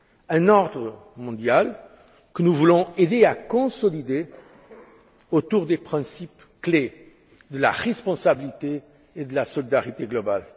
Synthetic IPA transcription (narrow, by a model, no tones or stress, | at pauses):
ɛ̃nɔʁd̪ʁəmɔ̃d̪jal | kənuvulɔ̃ed̪eakɔ̃sɔlid̪e | ot̪uʁd̪epχɛ̃sip | kle | d̪əla̰ʁɛspɔ̃sabilit̪eː | d̪əlasɔlid̪aʁit̪eɡlɔba̰l